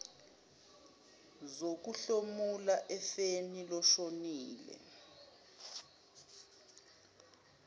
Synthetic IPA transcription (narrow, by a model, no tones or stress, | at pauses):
zok̬uɬomulaʔɛfenilɔʃoniːlɛ̰